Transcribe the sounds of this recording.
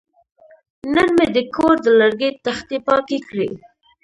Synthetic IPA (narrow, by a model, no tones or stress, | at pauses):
nənmed̪əkʰoɾd̪əlaɾɡet̪axt̪epɑkekɽi